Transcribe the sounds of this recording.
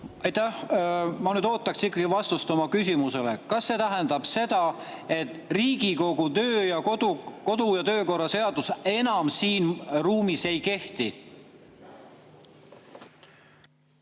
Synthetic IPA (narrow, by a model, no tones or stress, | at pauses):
ɑjt̪æhmɑnyd̪o̞ːt̪ːˑɑksikːɑɡ̥ivɑst̪ust̪omɑkys̬ʲimuse̞lḛkɑsːe̞t̪æɦɛnd̪̥ɑb̥se̞d̪̥ɑ | e̞t̪ːˑriːɡ̥iko̞ɡ̥ut̪ø̞ːjɑkod̪uko̞d̪̥ujɑt̪ø̞ːko̞rːɑse̞ɑd̪use̞nɑmsiːnruːmise̞jke̞ht̪i